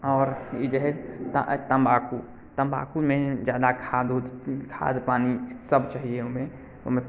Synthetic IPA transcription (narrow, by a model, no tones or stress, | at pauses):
ɔːɾed͡ʒɛɦɛt̪t̪əmbaːku | t̪ə̃mba̰ːkumẽd͡ʒjaːd̪akʰaːd̪ukʰa̰ːd̪paːnisəbt͡ʃaːɦieomẽ | omẽ